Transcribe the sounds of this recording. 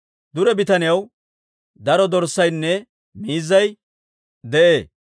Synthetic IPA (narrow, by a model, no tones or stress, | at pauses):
d̪ʊɾɛbɪt̪ɐnɪjɐw | d̪ɐɾɔd̪ɔɾsːɐjnːɛ | miːzːɐj | d̪ɛʔeː